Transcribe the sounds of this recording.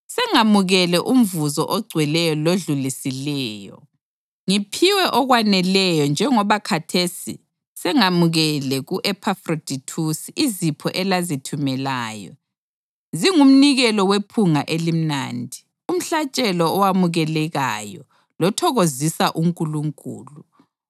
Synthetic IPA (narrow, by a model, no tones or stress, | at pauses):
sɛŋamuɣɛlɛʔum̩vuzɔʔɔɡ͡ǀʱwɛlɛjɔloɮulisilɛːjɔ̰ | ŋipʰiwɛʔɔɣwanɛlɛjɔnd͡ʒʱɛŋɔβakʰatʰesḭ | sɛŋamuɣɛlɛɣuʔɛpʰafrod̥ʱitʰusiizipʰɔʔɛlazitʰumɛlaːjɔ̰ | ziŋum̩niɣɛlɔwepʰuŋaʔelim̩na̰ːndʱi | um̩ɬat͡ʃʼɛlɔːwamuɣɛlɛɣajɔ̰ | lɔtʰɔɣozisaʔuŋkʼuluŋkʼṵːlu